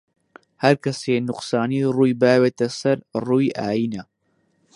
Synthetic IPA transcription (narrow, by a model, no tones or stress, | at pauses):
hɐɾkʰɐseːnʊqsaːniːruːjbaːweːt̪ɐsɐɾruːja̰ːjiːna